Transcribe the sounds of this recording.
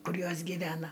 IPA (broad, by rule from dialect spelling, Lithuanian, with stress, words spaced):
ˈkʊr ˈjoːs ɡʲiːˈʋʲæːnɐ